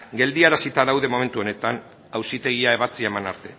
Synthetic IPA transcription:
ɡe̞ld̪iaɾasit̪aðawðe̞mo̞me̞nt̪uo̞ne̞t̪an | awsit̪e̞ɣ̞iae̞βat͡sie̞mana̰ɾt̪e̞

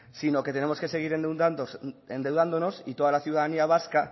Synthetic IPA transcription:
sino̞ket̪e̞ne̞moske̞se̞ɣ̞iɾen | end̪e̞wðand̪ono̞sit̪o̞ðalaθiuwðaðaniaβ̞aska

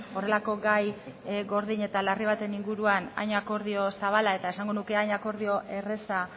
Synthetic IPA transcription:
o̞re̞lako̞ɡajɣo̞ɾðiɲe̞t̪alariβ̞at̪e̞niŋɡuɾuana̰jɲako̞ɾð̞io̞saβ̞alae̞t̪aesaŋɡo̞nuke̞ajɲako̞ɾðio̞ʔe̞re̞sa

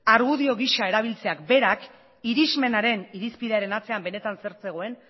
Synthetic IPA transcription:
aɾɣuðio̞ɣ̞iʃae̞ɾaβ̞ilt͡se̞akbe̞ɾak | iɾizme̞naɾe̞niɾispiðeaɾe̞nat͡se̞ambe̞ne̞t̪anse̞ɾt͡se̞ɣ̞o̞e̞n

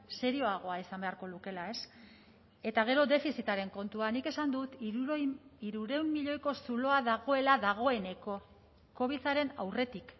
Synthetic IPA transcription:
se̞ɾio̞aɣ̞o̞aisambe̞aɾko̞luke̞lae̞s | e̞t̪aɣ̞e̞ɾo̞ðe̞fisit̪aɾe̞ŋko̞nt̪uanike̞sand̪ut̪ | iɾuɾe̞umːiʎo̞jko̞sulo̞aðaɣ̞o̞e̞laðaɣ̞o̞e̞ne̞ko̞ | ko̞β̞iθaɾe̞na̰wre̞t̪ik

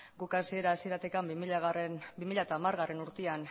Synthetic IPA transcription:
ɡukasie̞ɾaːsie̞ɾat̪ekambimiʎaɣrnbimiʎaet̪aːmarɣare̞nuɾt̪ean

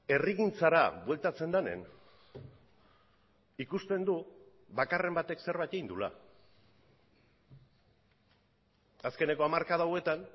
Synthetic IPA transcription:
e̞riɣint͡saɾa̰βwe̞lt̪at͡se̞nd̪anḛn | ikust̪e̞nd̪u | βakare̞mbat̪e̞kse̞ɾβajt̪eind̪ula̰ | aske̞ne̞ko̞amaɾkaðawe̞t̪an

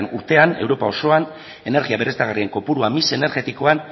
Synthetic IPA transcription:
nuɾt̪e̞anewɾo̞pao̞so̞an | e̞ne̞ɾɣiaβe̞ɾest̪aɣarie̞ŋko̞puɾuamise̞ne̞ɾɣe̞t̪iko̞an

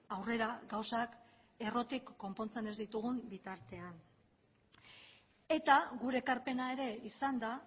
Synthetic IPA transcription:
awre̞ɾaɡawsak | e̞ro̞t̪ikːo̞mpo̞nt͡se̞ne̞zd̪it̪uɣumbit̪aɾt̪e̞an | e̞t̪aɣuɾe̞ːkaɾpe̞nae̞ɾe̞isand̪a

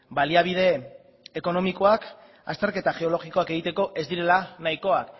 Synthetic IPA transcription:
baliaβ̞ið̞e̞ː | ko̞no̞miko̞ak | a̰st̪e̞ɾke̞t̪aʝe̞o̞lo̞ɣiko̞ake̞ɣ̞it̪e̞ko̞ʔe̞zd̪iɾe̞lanajko̞ak

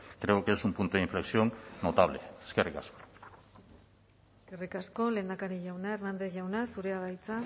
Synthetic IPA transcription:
kɾe̞oke̞sumpunt̪uðeiɱfleksionno̞t̪aβ̞lḛeskerika̰sko̥ | eskerikasko̞le̞ːnd̪akaɾiʝawnae̞rnand̪eθʝawnasuɾe̞aβajt͡sa

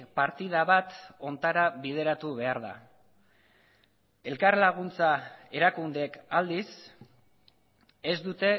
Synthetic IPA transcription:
paɾt̪iðaβat̪o̞nt̪aɾaβið̞e̞ɾat̪uβe̞aɾða̰ | e̞lkarlaɣ̞unt͡sae̞ɾakund̪eekald̪is | e̞zd̪ut̪e̞

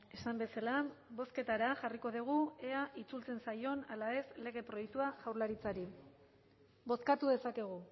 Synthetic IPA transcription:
e̞sambe̞salabo̞ske̞t̪aɾaʝariko̞ðiɣ̞ue̞aʔit͡sult͡se̞nsajo̞nalae̞sle̞ɣ̞e̞pɾo̞jek̚t̪uaʝawɾlaɾit͡saɾi | bo̞skat̪uðe̞sake̞ɣ̞u

